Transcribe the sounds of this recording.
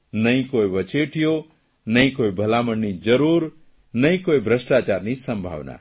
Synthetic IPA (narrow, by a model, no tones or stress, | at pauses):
nəĩkoiʋət͡ʃeʈʰijo | nəĩkoibʱəlaməɳːid͡ʒəɾuːɾ | nəĩkoibʱɾəsʈat͡ʃaɾnisəmbʱa̰ʋna̰